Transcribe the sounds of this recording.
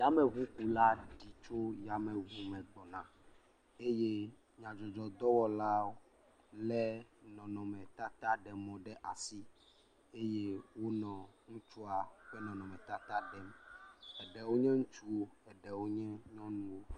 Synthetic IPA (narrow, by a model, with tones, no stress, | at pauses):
ja˦mɛ̃˨βu˦ku˨la˦ɖi˨t͡ʃo˦ja˨mɛ̃˨vu˦mɛ̃˨ɡ͡bɔ˨nã˨ | e˦je˦ | ɲã˨d͡ʒɔ˨d͡ʒɔ˨d̪ɔ˦wɔ˦la˦o˦ | lɛ˦nɔ̃˨nɔ̃˨mɛ̃˨t̪a˦t̪a˦ɖɛ˨mɔ̃˨ɖɛ˦ʔa˨si˦ | e˦je˦wo˦nɔ̃˨ŋũ˦t͡ʃu˦a˨˦ɸɛ˦nɔ̃˨nɔ̃˨mɛ̃˨t̪a˦t̪a˦ɖɛ˦mɛ˨ɖɛ˨wo˦ɲɛ̃˦ŋũ˦t͡ʃu˦wo˦ɛ˨ɖɛ˨wo˦ɲɛ̃˦ɲɔ̃˦nũ˦wo˦